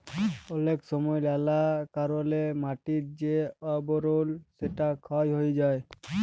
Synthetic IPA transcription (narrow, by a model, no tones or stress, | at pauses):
ɔleksɔmɔjlalakaɾɔlemaʈit̚d͡ʒeɔbɔɾolseʈakʰajɦojd͡ʒaj